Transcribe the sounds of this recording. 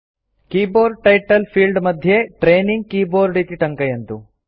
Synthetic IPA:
kiːboːɾʈɐjʈɐlpʰiːlɖmɐd̪ʱjeʈɾeːniŋɡ̚kiːboːɾɖit̪iʈɐŋkɐjent̪u

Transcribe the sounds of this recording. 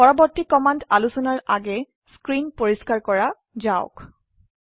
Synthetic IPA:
pɔɹɔbɔɹtikɔmandalusɔnaɹa̰ɡɛ | skɹinpoɹiskaɹkɔɹa | zaʊ̰k

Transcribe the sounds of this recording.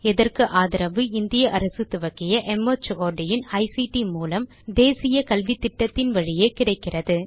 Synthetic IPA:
ɛðɐrkɯʔaːðɪɾɐʋɯɪnd̪ɪjɐʔɐɾɐsɯt̪ʊʋɐkːɪjɐʔɛmɐt͡ʃoːɖɪjɪnɐɪsiʈimuːlɐm | d̪eːsɪjɐkɐlʋɪt̪ːɪʈːɐt̪ːɪnʋɐɻɪjeːkɪɽɐɪkːɪrɐðɯ

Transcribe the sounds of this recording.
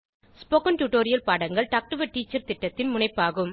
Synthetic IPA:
spoːkɐnʈuːʈoːɾɪjɐlpaːɽɐŋɡɐɭʈaːk̚ʈɐʋɐʈːiːt͡ʃːɐɾt̪ɪʈːɐt̪ːɪnmʊɳɐɪpːaːɣɯm

